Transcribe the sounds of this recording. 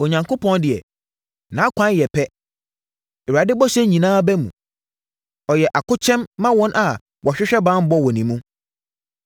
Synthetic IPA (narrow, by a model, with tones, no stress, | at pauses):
o˨ɲã˨ŋkʰo˦pʰɔ̃˦ndɪ˨ɛ̰˨ | nã˨˦kʷʰã˦n˦jɛ˨pʰɛ˦ | ɛ˨a˨dɪ˦bɔ˦ɕɛ˦ɲĩ˨nãː˦bɛ˦mṵ̃˨ | ɔ˨jɛ˨ʔa˨kʊ˦t͡ɕʰɛ̃˦mːã˦wɔ̃˦nʔa˨ | wʔɔ˨ɕᶣɪ˦ɕᶣɛ˦bã˦m̩˦bɔ˦wɔ˨nĩ˨mũ˦